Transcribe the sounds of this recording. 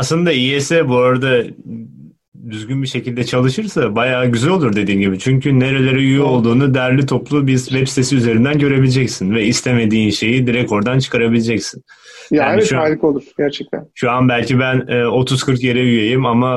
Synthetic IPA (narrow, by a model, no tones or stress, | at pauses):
aslˠɯnd̪aiɛsɛbuoɾad̪a | d̪yzɟynbiʃe̞cʰilʲd̪ɛt͡ʃʰalˠɯʃɯɾsabajaːɟyzælo̞lˠuɾd̪e̞d̪iːnɟibit͡ʃʰyɲcʰyne̞ɾe̞lʲe̞ɾɛyjyo̞lˠd̪uːnud̪ɛæɾlʲit̪ʰo̞plˠubizvɛpst̪ʰe̞siyze̞ɾind̪ænɟø̞ɾe̞bilʲed͡ʒɛcsinvɛist̪ʰe̞me̞d̪iːnʃe̞jid̪iɾɛco̞ɾd̪ant͡ʃʰɯ̥kʰaɾabilʲed͡ʒɛcsin | jaːiʃuajlʲˠɯkolˠuɾ̥ɟæɾt͡ʃʰɛc̚t̪ʰæ̰nʃuanbælʲcibænɛːo̞t̪ʰuz̥kʰɯɾkje̞ɾɛyjejimama